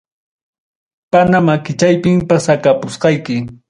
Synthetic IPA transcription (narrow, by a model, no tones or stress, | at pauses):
panamakɪt͡ʃajpɪmpasakapʊsqɑjkɪ